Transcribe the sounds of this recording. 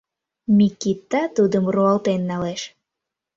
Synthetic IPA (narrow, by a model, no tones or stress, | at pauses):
mʲikit̪ːat̪ud̪əmruɑlt̪enːɑleʃ